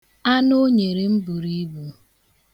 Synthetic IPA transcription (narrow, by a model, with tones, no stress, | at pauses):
a˦no˦ɲe˨ɾe˨m̩˦bu˨ɾi˦bu˨